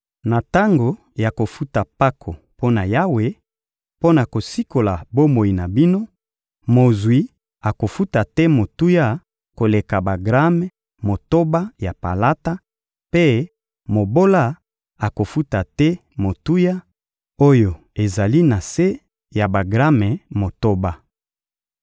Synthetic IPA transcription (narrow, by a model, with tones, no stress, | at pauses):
na˨ta˦ŋɡo˨ | ja˨ko˨fu˦ta˨pa˦kʰo˨ | po˦na˨ja˦we˨ | po˦na˨ko˨si˦ko˨la˨bo˦mo˨i˨na˨bi˦no˦ | mo˨zwi˨˦ | a˨ko˨fu˦ta˨tɛ˦mo˨tu˦ja˦ | ko˨le˨ka˨ba˨ɡʁa˦mɛ˦ | mo˨to˦ba˦ja˨pa̰˨la˦ta˦ | pe˦ | mo˨bo˦la˦ | a˨ko˨fu˦ta˨tɛ˦mo˨tu˦ja˦ | o˦jo˨ | e˨za˨li˦na˨se˦ | ja˨ba˨ɡʁa˦mɛ˨mo˨to˦ba˦